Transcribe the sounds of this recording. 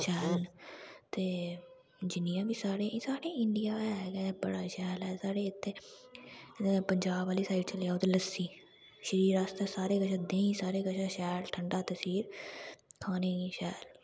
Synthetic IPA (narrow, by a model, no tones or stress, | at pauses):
ʃɛːlt̪eː | d͡ʒɪnijãːbiːsaːɾeːisaːɾeːɪɳɖijaːɦɛːɡɛːbəɽaːʃɛːlɛːsaːɽeːɪt̪ʰːeː | pəɲd͡ʒaːbaːliːsaːɪiʈt͡ʃəlɪjaːoːt̪eːləsːiː | ʃəɾiːɾaːst̪eːsaːɾeːkəʃʰaːd̪ẽːĩːsaːɾeːkəʃʰaːʃɛːlʈʰəɳɖaːt̪əsiːɾ | kʰaːneːiʃɛːl